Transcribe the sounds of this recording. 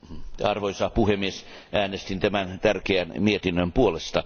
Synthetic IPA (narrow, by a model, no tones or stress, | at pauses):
ɑrʋoisɑpuhemːies | ʔæːnest̪int̪æmænt̪ærkeænmiet̪inːømpuolest̪ɑ